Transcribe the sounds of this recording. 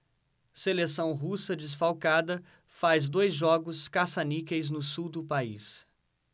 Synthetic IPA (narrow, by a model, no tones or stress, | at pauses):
selesɐ̃w̃ɦusɐd͡ʒɪs̬fawkad̪ɐ | fazd̪ojzʒɔɡʊskasanikejznʊsuwd̪ʊpaḭs